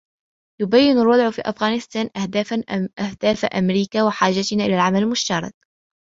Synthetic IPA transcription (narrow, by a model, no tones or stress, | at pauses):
jʊbajːɪnalwɑd̪ˤʕfḭːʔafɣaːnɪst̪aːnʔahʔahd̪̥aːfaʔamɾiːkaːwɪħaːʒat̪ɪnaʔɪlaːlʕamalɪlmʊʃt̪ɑrˤɑ̰k̚